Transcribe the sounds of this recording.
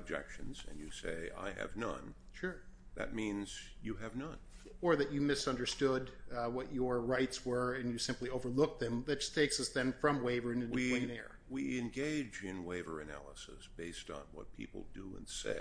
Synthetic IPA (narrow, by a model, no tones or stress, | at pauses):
b̚d͡ʒɛ̰kʃɨ̃nzɨ̰̃njɨseɪa̰ɪɨ̰vnʌ̰̃n | ʃʊɹ | ðɨ̰t̚mĩnz̥jɨɨvnʌ̃n | ə˞ðɨt͡ʃɨmɪsʌ̃ndə˞stʊdwʌt͡ʃə˞ɹaɪtswə˞ɨ̃njɨsɪ̃mplioʊvə˞lʊk̚t̪̚ðɨ̃mðɨt̚d̥ʒ̥ʌ̥stʰeɪksʌsðɨ̃nfɹʌ̃mweɪvə˞ɨ̃nɨ̃nwĩnɛɹ | wiɨ̃nɡeɪd͡ʒɪ̃nweɪvə̰˞ɨnæ̰lˠəsɨsb̥eɪstn̩wʌ̰t̚pʰḭpl̩ˠdɨə̰̃nsḛɪ